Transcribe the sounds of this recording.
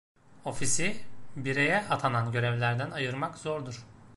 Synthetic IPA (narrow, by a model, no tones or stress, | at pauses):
o̞fisibiɾejɛʔat̪ʰananɟø̞ɾɛvlʲæɾd̪ænajɯɾmakz̥ɔɾd̪uɾ̥